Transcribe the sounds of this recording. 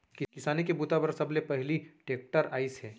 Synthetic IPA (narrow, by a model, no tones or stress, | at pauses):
kɪkɪsaːnekebuːt̪abɐɾsɐblepɛɦliʈeːk̚ʈəɾaːɪsɦɛː